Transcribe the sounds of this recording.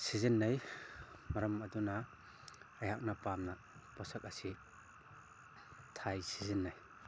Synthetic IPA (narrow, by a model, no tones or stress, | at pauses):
sizinːaj | mɐɾɐmɐdunaː | jhak̚napamna | pɔsak̚asi | tʰajsizinːaj